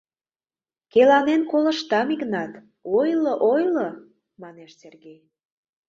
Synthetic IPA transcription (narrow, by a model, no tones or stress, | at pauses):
kelɑnenkolə̆ʃt̪ɑmiknɑt̪ | ojloʔojlo | mɑneʃsʲerɣej